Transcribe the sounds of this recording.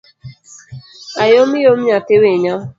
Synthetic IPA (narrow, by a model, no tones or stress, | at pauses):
ajomɪjomɲatɪweɲɔ